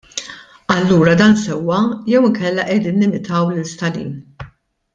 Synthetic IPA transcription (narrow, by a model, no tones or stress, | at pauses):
ɐlːuːɾɐd̪ɐːnsɛwːɐjɛwɪŋkɛlːɐʔɛd̪iːnːɪmɪt̪ʰɐwlɪlst̪ɐlḭːn